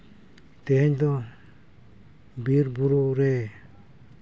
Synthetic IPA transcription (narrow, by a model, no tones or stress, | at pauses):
t̪ɛɦɛɲd̪ɔ | biɾbuɾuɾɛ